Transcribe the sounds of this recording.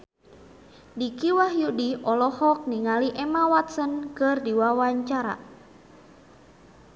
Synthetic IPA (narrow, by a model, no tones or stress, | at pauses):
dikiwahjudiɔlɔhɔk̚niŋaliʔɛmawat̪sənkɨrdiwawaɲt͡ʃaɾa̰